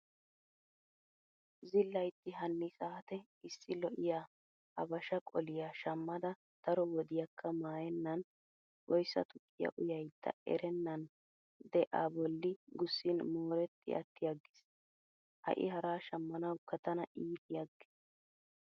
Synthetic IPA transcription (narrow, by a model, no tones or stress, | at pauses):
zɪlːɐjt̪ːɪɦɐnːɪsaːt̪ɛ | ɪsːɪlɔʔɪjaː | ʔɐbɐʃɐkʼɔlɪjaʃɐmːɐd̪ɐ | d̪̥ɐɾɔwɔd̪ɪjɐkʰːɐmaːjɛnːɐn | wɔjsːɐ̰t̪ʊkʼːɪjɐ̰ʔʊjɐjt̪ːɐ̰ɛ̰ɾɛnːɐn | d̪ɛʔa̰ːbɔlːɪɡʊsːɪnmoːɾɛt̪ːɪ̰ɐ̰t̪ːɪjɐɡːɪ̥s | hɐ̰ʔɪ̰hɐɾaːʃɐmːɐnɐwkːɐt̪ɐnɐʔiːt̪ɪjɐɡːɪ̥s